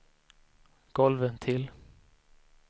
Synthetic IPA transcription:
ɡ̥ɔlvənt̪ʰɪl

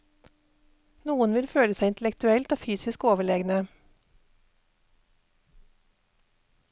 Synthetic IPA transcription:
nuːənʋɪlføːləsæɪɪnt̪l̩ɛkt̪ʉɛlt̪oːfyːsɪskoːʋəɭeːɡnə

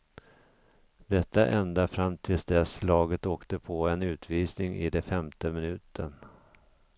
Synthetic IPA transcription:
d̪ɛt̪ːa̰ʔɛnd̪afɾamt̪ʰɪlsd̪ɛslɑːɡət̪oːkt̪əpʰɔɛnʉ̟ːt̪viːsnɪŋɪ̰d̪ɛfɛmt̪əmɪnʉ̟ːt̪ʰən

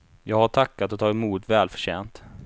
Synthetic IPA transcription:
jɑːɡhaʈʰakːat̪ɔt̪ʰɑːɡɛmuːt̪vɛːlfœ̥ʂɕeːnt̪

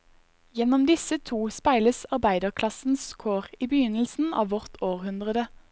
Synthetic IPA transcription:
jɛnɔmd̪ɪsət̪ʰuːspæɪləsɑʁbæɪd̪əʁkʰlɑsn̩skʰoːʁiːbəjʏnəl̩sn̩ɑ̰ːʋɔʁt̪ʰoːʁhʉnd̪ʁəd̪ə

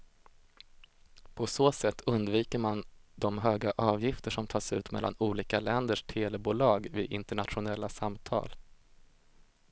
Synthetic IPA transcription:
pʰɔsoːsɛt̪ʰːɵnd̪viːkəɾmand̪ɔmɦøːɡaʔɑːvjɪft̪əʂɔmt̪ʰɑːʂʉ̟ːt̪mɛ̰lːa̰nuːliːkalɛnd̪əʂt̪ʰeːlɛbuːlɑːɡvɪɪnt̪əɳat̪ɧʊnɛlːasamt̪ʰɑ̰ːl

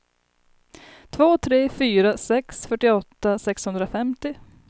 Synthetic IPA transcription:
t̪ʰvoːt̪ʰɾeːfyːɾasɛksfœʈːɪɔt̪ːasɛkshɵnd̪ɾafɛmt̪ɪ

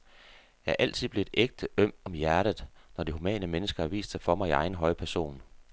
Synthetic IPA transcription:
jɑ̈ɐʔæl̰t͡sʰiðˠb̥le̝e̝d̥eɡ̥̚d̥əʔøm̰ɒ̽mjæɐɾ̥əð̩ˠnɒd̥ihumɛ̰ːnəmenəsɡ̥ɐæ̈ʋḭːsd̥sɑ̈ɪfɒ̽mɑ̈ɪiɑ̈ɪn̩ɦɒ̽ɪpʰæɐso̝̰ːn

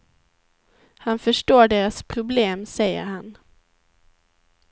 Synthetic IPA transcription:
hanfœʂʈoːɖeːɾaspʰɾʊbleːmsɛjːə̰ɾhan

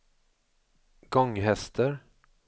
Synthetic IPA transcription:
ɡɔŋɦɛst̪ʰəɾ

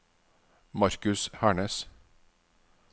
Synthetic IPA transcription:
mɑɾkʉshæːɳəːs

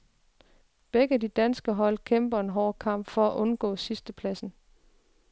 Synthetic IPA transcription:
b̥eɡ̥əæd̥id̥ænsɡ̥əɦɒ̽l̰kʰemb̥ɐe̝nɦɒːkʰɑ̈m̰b̥fɒ̽æʔɔ̽nɡ̥ɔ̰̽ːsisd̥əpʰlæsn̩

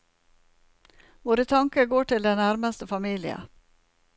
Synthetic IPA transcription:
ʋoːɾət̪ʰɑŋkəɡoːʈʰɪld̪ɛnæɾməst̪əfɑmiːlɪə̰

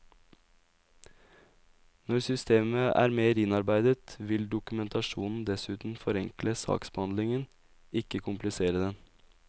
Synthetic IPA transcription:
nɔɾsʏst̪eːməʔæ̰ːɾmeːɾɪnɑɾbæɪd̪ət̪ʋɪld̪ʊkʉmɛnt̪ʰɑʃuːnn̩d̪ɛsʉːt̪n̩fɔɾɛŋkləsɑ̰ːksb̥əhɑnd̪lɪŋən | ɪkəkʰʊmplɪseːɾəd̪ɛn

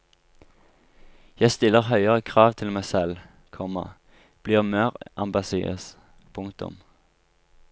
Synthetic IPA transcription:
jæɪst̪ɪlːəʁɦœʏəʁəkʰʁɑːʋt̪ʰɪlmæɪsɛl | kʰɔmɑ̰ | b̥liːʁmøːʁʔɑmbɑsḭːə̰s | pʰʊŋkt̪ʊ̰m

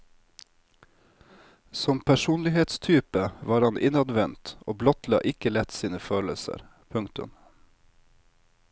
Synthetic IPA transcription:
sɔmpʰæʃuːnlɪheːt̪st̪ʰyːpəʋɑːɾɑnʔɪnɑd̪ʋɛnt̪o̰ːblɔt̪lɑ̰ːʔɪkəlɛt̪siːnəføːləsə̰ɾ | pʰʉŋkt̪ʉ̰m

